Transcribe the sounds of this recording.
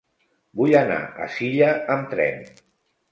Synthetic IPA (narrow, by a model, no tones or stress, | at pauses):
bujana̰ʔə̰siʎəəmt̪ɾɛ̰n